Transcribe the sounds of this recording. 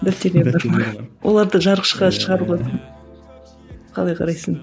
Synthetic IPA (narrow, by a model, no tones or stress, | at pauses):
d̪æpt̪eɾleɾbɑɾmɑwʔo̞̰lˠɑɾd̪əʒɑɾqə̥ʃqɑʃəʁɑɾpqlˠɑs | qʰɑ̰lˠɑjqʰɑ̰ɾɑjsəɴ